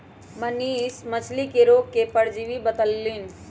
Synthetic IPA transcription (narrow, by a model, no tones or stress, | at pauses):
məniːsmət͡ʃʰlikeɾoɡ̚kepəɽd͡ʒiʋibət̪əlːin